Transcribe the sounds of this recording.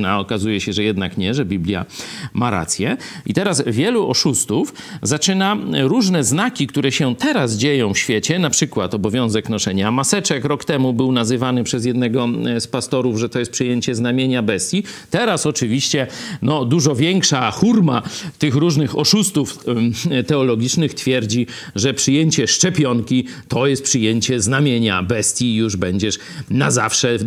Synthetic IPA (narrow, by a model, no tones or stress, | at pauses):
naɔkazujɛɕɛʐɛjɛd̪nakɲɛʐɛbʲiblʲja̰maɾa̰t̪sʲjɛ | it̪ɛɾasvʲjɛluʔɔʂust̪uf | zat͡ʂɘnaɾuʐnɛznakʲikt̪uɾɛɕɛt̪ɛɾaz̬d͡ʑejɔ̃w̃fɕfʲjet͡ɕɛnapʂɘkwat̪ɔbɔvʲjɔ̃w̃zɛknɔʂɛɲamasɛt͡ʂɛkɾɔkt̪ɛmubɘwnazɘvanɘpʂɛzjɛd̪nɛɡɔspast̪ɔɾuvʐɛt̪ɔjɛst̪pʂɨjeɲt͡ɕɛznamʲjeɲabɛst̪ʲjit̪ɛɾasɔt͡ʂɘvʲiɕt͡ɕɛnɔd̪uʐɔvʲjɛŋkʂaxuɾmat̪ɘxɾuʐnɘxɔʂust̪uft̪ɛɔlɔɡʲit͡ʂnɘxt̪fʲjɛɾd͡ʑi | ʐɛpʂɘjeɲt͡ɕɛʂt͡ʂɛpʲjɔŋkʲi | t̪ɔjɛst̪pʂɘjeɲt͡ɕɛznamʲjeɲa̰bɛst̪ʲjijuʐbɛɲd͡ʑɛʂ | nazafʂɛ